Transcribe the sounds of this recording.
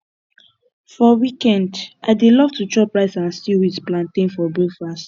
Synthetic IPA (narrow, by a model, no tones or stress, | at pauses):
fɔwikɛ̃ndʔadelɔvtut͡ʃɹɔpɹaɪsãnstiwisplãntẽnfɔbofɹas